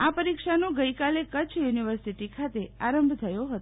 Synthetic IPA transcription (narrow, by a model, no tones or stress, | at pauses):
apəɾikʃanõɡəikalekət͡ʃʰjuniʋəɾsiʈikʰat̪eaɾəmbʱt̪ʰəjoɦət̪o